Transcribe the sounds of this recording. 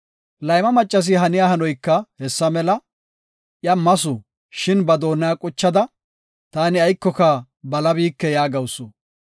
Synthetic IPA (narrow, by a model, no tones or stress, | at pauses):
lɐjmɐmɐt͡ʃʼːɐs̬ɪɦɐnɪjahɐnɔjkːɐhɛsːɐmɛlɐ | ʔjɐmɐsʊ | ʃɪnbɐd̪o̞ːnːɐjaːkʼʊt͡ʃːɐd̪ɐ | t̪aːnɪɐjkːɔkɐ | bɐlɐbiːkːɛjaːɡɐwsʊ